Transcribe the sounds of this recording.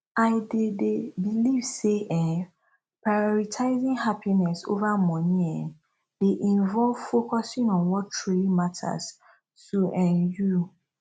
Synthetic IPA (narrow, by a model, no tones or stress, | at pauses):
aɪdedebilivseʔɛ̃n | pʰɹajɔɾitʰaɪzĩŋhapʰinɛso̰vamɔ̃nĩɛ | d̥eʔinvɔlvfokʰɔsĩŋɔ̃nwɔtʰɹeimatʰa̰s | suʔɛ̃nju